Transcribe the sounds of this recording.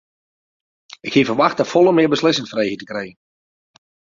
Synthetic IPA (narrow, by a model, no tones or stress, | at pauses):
ɪkhiːəfərʋaxtəfɔlˠəmɪəbəslɪsɪŋtfrejətəkrejən